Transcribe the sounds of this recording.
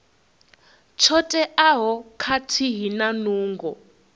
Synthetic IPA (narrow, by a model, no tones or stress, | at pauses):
t͡ʃʰɔtʼɛʔaɦɔkʰatʰiɦinanuːŋɡɔ